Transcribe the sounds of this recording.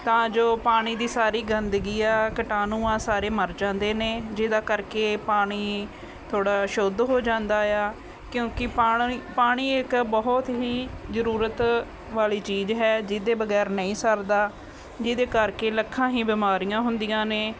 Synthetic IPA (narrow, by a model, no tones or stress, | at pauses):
t̪ãːd͡ʒoːpaːɽ̃iːd̪iːsaːɾiːɡənd̪ɡiːaːkəʈaːnũːãːsaːɾeːməɾd͡ʒãːnd̪eːneːd͡ʒɪd̪aːkəɾkeːpaːɽ̃iː | t̪ʰoːɽaːʃod̪ɦoːd͡ʒãːnd̪aːjaː | kjõːkɪaːpaːɽ̃iːɪkbɔɦt̪ɦiːzəɾuːɾət̪ | ʋaːliːt͡ʃiːzɦɛːd͡ʒɪd̪eːbəɡɛːɾnəĩːsəɾd̪aː | d͡ʒɪd̪eːkəɾkeːləkʰːãːɦĩːbɪmaːɾijãːɦʊnd̪ijãːneː